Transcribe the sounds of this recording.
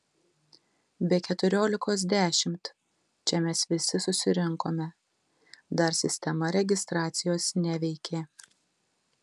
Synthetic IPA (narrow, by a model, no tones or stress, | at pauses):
bʲɛːkʲɛt̪ʊɾʲoːlʲɪkoːs̬d̪ʲæːʃʲɪmt̪ | t͡ʃʲɛmʲɛsʋʲɪsʲɪsʊsʲɪɾʲɪŋkoːmʲɛ | d̪ɐɾsʲɪsʲt̪ʲɛmɐɾʲɛɡʲɪst̪ɾɑːt̪sʲɪjoːsnʲɛʋʲɛɪkʲeː